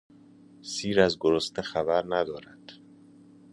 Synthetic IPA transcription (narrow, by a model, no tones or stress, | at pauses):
siːɾæzɡoɾost̪ʰexæbæɾnæd̪ɒːɾæd̪̥